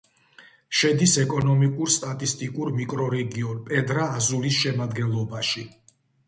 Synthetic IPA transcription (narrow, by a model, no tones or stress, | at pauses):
ʃɛd̪isɛkʼɔnɔmikʼuɾst̪ʼat̪ʼist̪ʼikʼuɾmikʼɾɔɾɛɡiɔnpʼɛd̪ɾaːzulisʃɛmad̪ɡɛnlˠɔbaʃi